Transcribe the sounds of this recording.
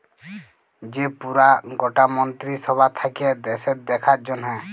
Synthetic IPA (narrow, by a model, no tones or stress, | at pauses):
d͡ʒepuɾaɡɔʈamɔnt̪ɾisɔbat̪ʰakiɛd̪ɛsɛt̪̚d̪ɛkʰat̪̚d͡ʒɔnɦɛ